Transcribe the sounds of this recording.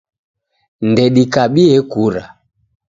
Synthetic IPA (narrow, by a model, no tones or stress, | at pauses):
ndɛɗikaɓiɛkuɾa